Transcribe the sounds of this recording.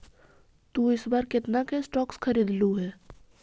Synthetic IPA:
t̪uːɪsbaɾkɪt̪nakesʈɔːkskʰɐɾiːd̪luɦɛː

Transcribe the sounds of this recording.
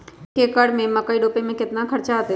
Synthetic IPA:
kekəɽmẽmɐkəːiɖoːpemẽkɪt̪nakʰɐɾt͡ʃat̪

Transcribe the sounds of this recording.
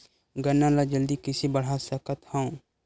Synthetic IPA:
ɡənːalad͡ʒəld̪ikɪsibəɽ̤asəkət̪hə̃ũ

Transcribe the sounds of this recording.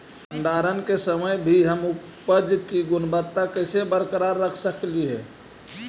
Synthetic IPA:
ə̃nd̪aːɾənkesəməjbʱiɦəmʊ | pəd͡ʒkiɡʊnbət̪ːakəɪsebəɾkəɾaɾːəkʰsəkliɦɛː

